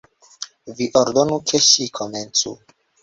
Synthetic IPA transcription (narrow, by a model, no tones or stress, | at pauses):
viʔoɾd̪onukʰeʃikʰoment͡su